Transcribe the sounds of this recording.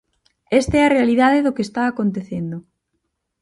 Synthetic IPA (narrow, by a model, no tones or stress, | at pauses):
est̪eɛɐrealiðaðɪðʊkest̪aːkont̪eθend̪ʊ